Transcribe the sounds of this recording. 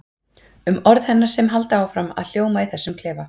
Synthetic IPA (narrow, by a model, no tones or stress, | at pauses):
ʏmɔɾðhɛnːaɾ̥sɛmɦalt̪aaːwfɾama̰ðl̥joːwmaiθɛsːʏmkʰlɛːva